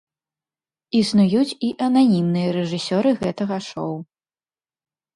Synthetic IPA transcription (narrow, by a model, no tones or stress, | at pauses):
isnujut͡sʲiʔɐnanʲimnɨjɐɾɛʐɨsʲɔɾɨɣɛt̪ɐɣɐʂɔw